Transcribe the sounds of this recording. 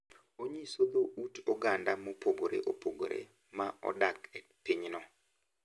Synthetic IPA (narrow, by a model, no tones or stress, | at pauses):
oɲisod̪oʔutɔɡandamopoɡoɾḛʔopoɡo̰ɾḛ | maɔ̰dakɛpiɲnɔ